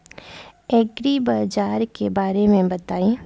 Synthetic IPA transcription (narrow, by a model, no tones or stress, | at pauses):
ɛːɡɾibaːd͡ʒaːɾkebaːɾemẽbɐt̪aːĩ